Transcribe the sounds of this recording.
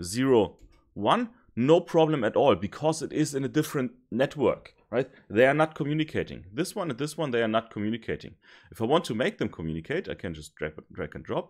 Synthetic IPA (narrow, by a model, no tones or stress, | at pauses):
ziɹoʊ | wãnː | oʊpʰɹ̥ɑblə̃mɨɾɔlˠbɨkʰɔzɨtɪzɨ̃nɨdɪfɹɨ̃ntnɛtʰwɜ̰˞k | ɹaɪt̚ | ðeɪə˞nət̚kʰɔmjʉnɨkʰeɪtɪ̰̃ŋðɪswʌ̃nɨt̪̚ðɪswʌ̃nðeɪə˞nət̚kʰɔmjʉnɨkʰeɪtɪ̰̃ŋɨfaɪwɑ̃ntʰumeɪk̚ðɨ̃mkʰɔmjʉnɨkʰeɪtaɪkʰɨ̃nd͡ʒʌsd̥ɹæ̰pdɹæ̰kɨ̃ndɹɔp̚